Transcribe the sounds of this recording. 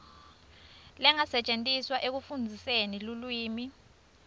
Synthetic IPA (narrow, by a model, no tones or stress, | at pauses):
lɛŋasɛt͡ʃʼentʼiswaʔek̬ufund͡zʱisenilulwiːmi